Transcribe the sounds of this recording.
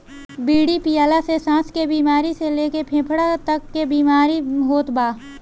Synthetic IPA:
biːɽipijaːlasesãːskebiːmaːɾiseleːkepʰẽːpʰɽat̪ɐkːebiːmaːɾiɦoːt̪baː

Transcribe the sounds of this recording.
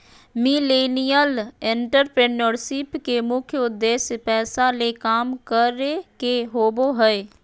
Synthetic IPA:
mileːnijəlẽɳʈəɾpɾeːnəɾʃɪpkemʊkʰjəʊd̪ːeːʃjpɛːsalekaːmkəɾekeɦoːboɦɛe

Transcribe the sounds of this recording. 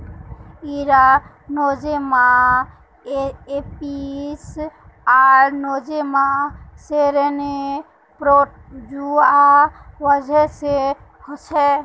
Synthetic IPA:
iɾa | nod͡ʒemã | epis | aɾnod͡ʒemãseɾene | pɾod͡ʒuaʋəd͡ʒɛse | hɔt͡ʃʰɛ

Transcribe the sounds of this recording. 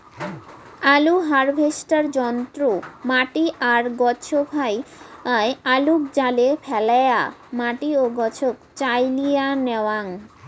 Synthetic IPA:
aluɦaɾbʱesʈaɾd͡ʑɔnt̪ɾomaʈiʔaɾɡɔt͡ɕʰobʱajaealuk̚d͡ʑalepʰɛlajamaʈioɡɔt͡ɕʰokt͡ɕajlijanɛaŋ

